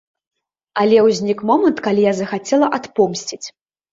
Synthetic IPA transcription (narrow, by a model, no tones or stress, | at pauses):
ɐlʲɛwzʲnʲikmɔmɐnt̪kalʲijazɐxat͡sʲɛlˠɐʔat̪pɔmsʲt͡sʲit͡sʲ